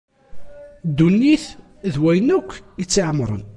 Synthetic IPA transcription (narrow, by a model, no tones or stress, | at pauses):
d̪unːiθ | ðwæjənækʷːjət͡sːiʕmɾˤə̰n